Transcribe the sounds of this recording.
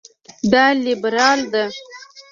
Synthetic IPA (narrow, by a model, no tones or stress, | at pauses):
d̪ɑlibɾɑːld̪a